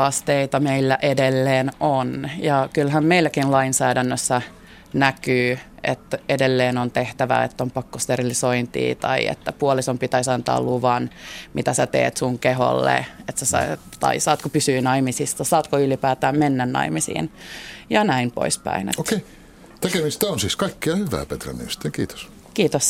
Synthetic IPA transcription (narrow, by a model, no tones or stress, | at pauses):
ɑst̪eit̪ɑmeilːæʔedelːeːnonjɑkylɦæmmeilːækinlɑinsæːdænːøsːæ | nækyːḛt̪edelːeːnont̪eht̪æʋæ̰ḛt̪ːompɑkːost̪erilisoint̪ḭːt̪ɑ̰iḛt̪ːæpuolisompit̪æisɑnt̪ɑ̰ːluʋɑnmit̪æsæt̪ḛːt̪suŋkeɦo̰lːḛet̪sæsɑ̰t̪ɑ̰isɑːt̪kopysyːnɑimisist̪ɑsɑːt̪koylipæːt̪æːmmenːænnɑ̰imisḭːnjɑnæimpo̰ispæ̰inḛttok̪kei | t̪ekemist̪æonsiːskɑikːiɑhyʋæ̰ːpet̪ræ̰nːḭmst̪ːˑekiːt̪o̥s | kiːt̪os